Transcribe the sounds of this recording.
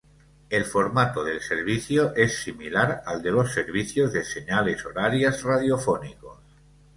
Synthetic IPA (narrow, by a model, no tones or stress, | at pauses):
e̞lfoɾmat̪oðelseɾβ̞iθjoʔesːimilaɾald̪e̞lo̞sːeɾβiθjozðeseɲalesoɾaɾjazrað̞jofonikos